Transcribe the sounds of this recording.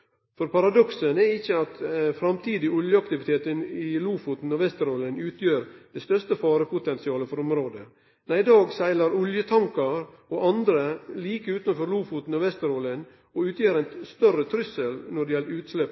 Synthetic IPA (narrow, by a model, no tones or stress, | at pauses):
fɔɾpɑɾɑd̪ɔksənɛɪçːəɑt̪fɾɑmt̪ʰiːd̪ɪʊljəɑkt̪ɪʋɪt̪ʰeːt̪ənɪluːfut̪n̩ɔʋɛst̪əɾoːlənʉːt̪ʰjøːɾd̪̥ɛst̪œst̪əfɑːɾəpʊt̪ɛnsɪɑːləfɔɾɔmɾoːd̪ə | næɪɪd̪ɑːɡsæɪlɑɾʊljət̪ʰɑŋkɑɾ | oːʔɑnd̪ɾəliːkəʉːt̪nfɔɾluːfut̪n̩ɔʋɛst̪əɾoːlən | ɔʉːt̪jeːɾæɪnst̪œrət̪ʰɾʏsəlnɔɖɛjɛləʉːt̪slɛp